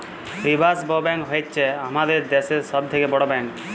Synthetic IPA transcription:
pɾibʱasbɔbɛŋkɦojt̪t͡ʃʰeamad̪eɾd̪eseɾsɔb̚t̪ʰekebɔɽobɛŋk

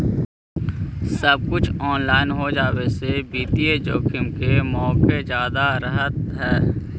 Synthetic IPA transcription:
sɐb̚kʊt͡ʃʰɔːnlaːɪnɦod͡ʒaːwesebiːt̪ied͡ʒoːkʰɪmkemɔːked͡ʒjaːd̪aɾɐɦət̪ɦɛː

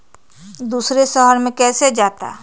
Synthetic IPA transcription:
d̪uːsɾeʃəɦəɾmẽkɛːsed͡ʒaːt̪a̰ː

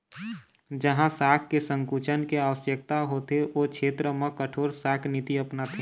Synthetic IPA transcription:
d͡ʒəɦãsaːkʰkːesə̃ŋkuːt͡ʃənkeaːʋəsjək̚t̪aɦoːt̪eʔoːkʃʰeːt̪ɾəmə̃kəʈʰoːɾsaːkʰnɪt̪iɐpnat̪ʰẽ

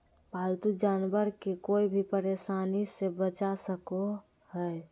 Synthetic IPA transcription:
baːlt̪ud͡ʒaːnbəɾkekoːibʱipəɾeːʃaːnisebət͡ʃasəko | hə

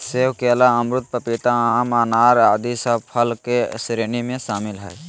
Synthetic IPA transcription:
seːwkelaəmɾʊt̪̚pəpit̪aamaːnaːɾaːd̪isəbpʰəlkesɾeːnimẽsaːmɪlɦɛj

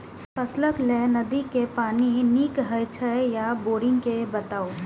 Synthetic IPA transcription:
pʰəsləklɛnəd̪ikepaːniniːkɦəjt͡ʃʰəjaboːɾɪ̃ŋɡkebət̪aːo

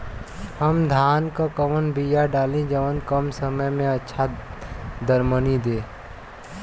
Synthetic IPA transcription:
həmd̪ʱaːnkakəʋənbijaɖaːlẽd͡ʒəʋənkəmsəməjmẽɐtːʃʰa | d̪əɾmənid̪eː

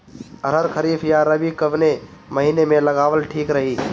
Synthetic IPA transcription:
əɾəɾkʰəɾiːfjaɾəbikəʋne | məɦiːnemẽlɐɡaːʋəlʈʰiːkɾɐɦiː

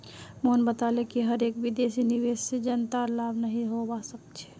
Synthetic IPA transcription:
moːnbət̪alekiɦəɾeːkbid̪esiniʋessed͡ʒənt̪aɾlaːbnəɦĩɦobasək̚t͡ʃʰɛ̥

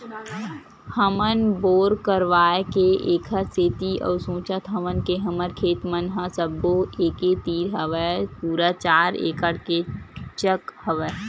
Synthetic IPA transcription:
həmənboːɾkəɾʋaːekeʔeːkʰəseːt̪iɔ̰ːɾsõːt͡ʃət̪ɦəmənkeɦəməɾkʰeːt̪mənɦãsəbːoeːket̪iːɾɦəʋəpuːɾət͡ʃaːɾḛːkəɽket͡ʃəkhəʋə

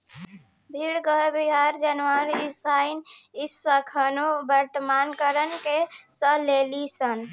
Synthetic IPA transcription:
bʱiɾɡəbiɦaɾd͡ʒənʋaɾisainisəkʰənobəɾt̪əmankəɾənkesəlelisən

